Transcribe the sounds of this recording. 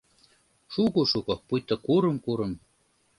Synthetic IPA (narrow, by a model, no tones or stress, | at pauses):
ʃuɣoʃukŏpujt̪ːŏkuɾɤ̆mkuɾɤ̆m